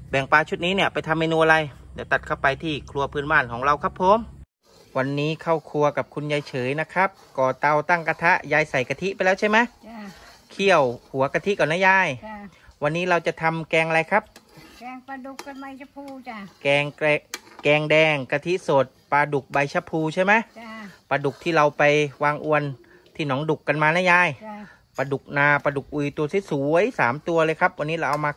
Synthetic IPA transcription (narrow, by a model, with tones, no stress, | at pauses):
bɛ˨˩ŋpaː˧t͡ɕʰu˥t̪̚niː˦˥ni˧˥˩ɐpa˧jt̪ʰa˧mːeː˧nuː˧ʔa˧a˧jdɛː˧˩t̪a˨˩t̪̚kʰa˥˩wpa˧jt̪ʰiː˥˩kʰlu˧ɐpʰɯː˧˥˨nmaː˥˩nkʰɔː˩˦ŋɾa˧wkʰa˦˥pʰːo˨˦m | wa˧nːiː˦˥kʰa˥˩wkʰu˧ɐka˨˩p̚kʰu˧nja˧jt͡ɕʰɤː˩˦jna˦˥kʰa˦˥p̚kɔː˨˩t̪a˧wt̪a˥˩ŋka˧t̪ʰa˦˥ʔjaː˧jsa˨˩jka˧t̪ʰi˦˥ʔpa˧jlɛː˦˥wt͡ɕʰa˥˩jma˦˥j | kʰi˥˩əwhu˩˦ɐka˧t̪ʰi˦˥kaː˨˩na˦˥jaː˧˩jwa˧nːiː˦˥ɾa˧wt͡ɕa˨˩t̪ʰa˧mkɛː˧ŋʔa˧ɾa˧jkʰa˦˥p̚ | kɛː˧ŋ˧kɛː˧ŋdɛː˧ŋka˧t̪ʰi˦˥ʔso˨˩t̪̚pa˧du˨˩k̚ba˧jt͡ɕʰa˦˧˥pʰuː˧t͡ɕʰa˥˩jma˦˥jpa˧du˨˩k̚t̪ʰiː˥˩ɾa˧wpa˧jwaː˧ŋʔu˧ən | t̪ʰiː˥˩nɔː˩˦˥ŋdu˨˩kːa˧nmaː˧naː˦˥˩jaː˧˥˩j | pa˧du˨˩k̚naː˧pa˧du˨˩k̚ʔuː˧jt̪u˧si˦˥˩suː˨˦ə˦jsaː˩˦mt̪u˧ɐlɤː˧jkʰa˦˥p̚wa˧nːiː˦˥ɾa˧wʔa˧wmaː˧